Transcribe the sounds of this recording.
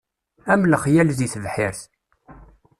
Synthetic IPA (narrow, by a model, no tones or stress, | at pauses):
æmləχjælziθəvħɪɾθ